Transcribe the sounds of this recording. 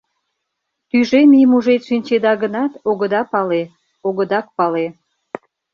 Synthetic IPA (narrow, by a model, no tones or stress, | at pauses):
t̪yʒemijmuʒet̪ʃinʲt͡ɕed̪ɑɣənɑt̪oɣəd̪ɑpɑle | oɣəd̪ɑk̚pɑle